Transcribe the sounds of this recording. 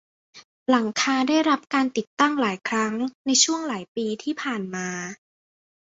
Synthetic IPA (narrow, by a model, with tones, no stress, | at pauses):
la˩˦ŋkʰaː˧daː˥˩jɾa˦˥p̚kaː˧nt̪i˨˩t̪ːa˥˩ŋlaː˩˦jkʰɾa˦˥ŋna˧jt͡ɕʰu˥˩əŋlaː˩˦jpiː˧t̪ʰiː˥˩pʰaː˨˩nmaː˧